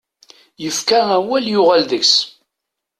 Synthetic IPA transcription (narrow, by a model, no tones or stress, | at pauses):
jəfkææwæljʊʁælðəks